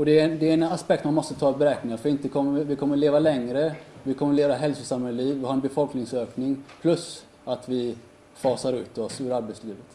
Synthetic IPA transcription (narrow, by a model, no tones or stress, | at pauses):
ɔd̪ɛd̪ɛɾɛnaspɛk̚t̪manmɔst̪ət̪ʰɑːbɛɾɛːknɪŋafœɾɪnt̪əkʰɔmːəvɪkʰɔmːəɭeːvalɛŋɾəvɪkʰɔmːəɭeːvaɦɛlsʊsamhɛliːvːɪhaɾɛnbɛfɔlknɪŋsøːknɪŋpʰlɵs | at̪vɪ | fɑːsaɾʉ̟ːt̪ɔsʉːɾaɾbɛt̪sliːvət̪